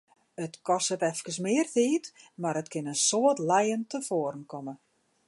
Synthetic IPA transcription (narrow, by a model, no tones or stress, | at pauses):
ətkɔsətɛfkəsmɪːərtiːtmaɾətkɪnənsoətlɛjəntəfoəɾn̩kʰɔmə